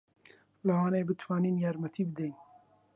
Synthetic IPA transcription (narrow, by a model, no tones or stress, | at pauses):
lawaːneːbɨt̪ʰwɑːninjaːɾmɐt̪ʰiːbɨd̪ejn